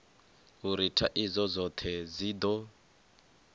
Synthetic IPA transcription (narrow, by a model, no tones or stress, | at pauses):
uɾitʰaʔizɔzɔt̪ʰɛzid̪ɔ